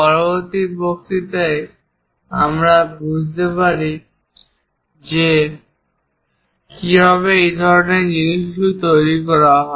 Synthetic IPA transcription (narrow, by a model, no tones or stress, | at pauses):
pɔɾoboɾt̪iɾbokt̪it̪ej | amɾabud͡ʑʱt̪epaɾi | d͡ʑe | kibʱaβeejd̪ʱɔɾoneɾd͡ʑiniʃujt̪ojɾikɔɾaɦɔe